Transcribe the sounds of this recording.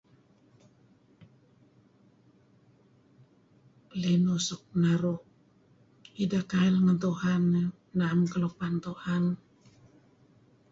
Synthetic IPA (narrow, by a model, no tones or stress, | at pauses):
lenusɔk̚naɾɔh | idakailŋənt̪uhanːə | namkəlopant̪uhan